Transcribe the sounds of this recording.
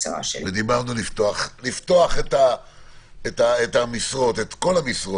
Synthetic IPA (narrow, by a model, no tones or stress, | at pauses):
t͡sa̰ʃḛved̪ibaʁnulift̪oaχlift̪o̞aχeta | etaetamisʁo̞tet̪ko̞lamisʁo